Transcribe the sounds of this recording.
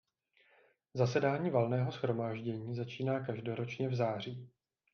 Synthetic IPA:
zasɛdaːɲiːvalnɛːɦo̞sxɾo̞maːʒɟɛɲiːzat͡ʃiːnaːkaʒdo̞ɾo̞t͡ʃɲɛvzaːr̝iː

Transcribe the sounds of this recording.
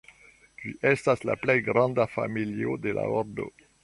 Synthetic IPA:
d͡ʒiʔestasla̰plejɡɾɑ̃ndafamiliodela̰oɾdo̞̰

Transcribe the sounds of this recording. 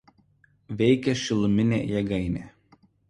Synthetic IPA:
ʋʲɛɪkʲɛʃʲɪlˠʊmʲɪnʲḛːjɛɡɐɪnʲeː

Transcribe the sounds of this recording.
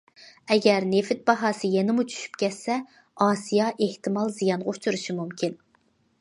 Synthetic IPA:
ɛɡʲɛɾnefɪt̪̚bɑɦɑːsɨjɛnɪmut͡ʃʰy̥ʃy̥pkʲɛt̪sɛ | ɑːsijɑʔeht̪ɨmɑlˠzijɑnʁɑut͡ʃʰuɾɨʃimumkʲin

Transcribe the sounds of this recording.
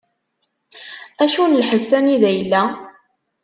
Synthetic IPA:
æʃunlħəvsæniðæjəlːæ

